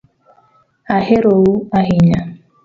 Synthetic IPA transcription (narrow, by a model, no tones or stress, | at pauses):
aheɾowuaɦiɲa